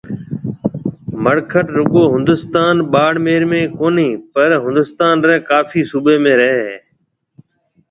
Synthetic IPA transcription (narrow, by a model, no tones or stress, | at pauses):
məɽkʰəʈɾʊɠoːɦʊ̃nd̪ʊst̪aːnɓaːɽmeːɾmẽːkoːniːpəɾɦʊ̃nd̪ʊst̪aːnɾɛːkaːfʰiːsuːbeːmẽːɾəɦeː